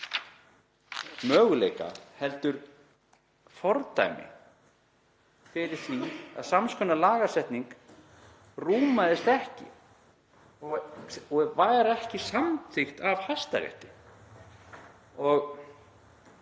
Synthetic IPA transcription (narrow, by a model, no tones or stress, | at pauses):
mœːɣʏlejka̰hɛlt̪ʏɾ | fɔɾt̪a̰jmɪ̰ | fɪɾɪɾ̥θvia̰ðsamskʰœnːalaːɣasɛht̪niŋk | ruːmaðɪst̪ɛhcɪ̰ | ɔɣɔɣvaːjɾɛhcɪsamt̪ʰɪxt̪avhast̪aɾjɛ̰ht̪ɪ | ɔɣ